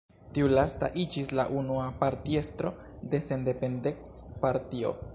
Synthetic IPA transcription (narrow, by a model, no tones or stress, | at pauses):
tiulasta̰ʔid͡ʒisla̰ʔunuapaɾtie̞stɾo̞ | de̞se̞nde̞pe̞ndekspaɾtio̞̰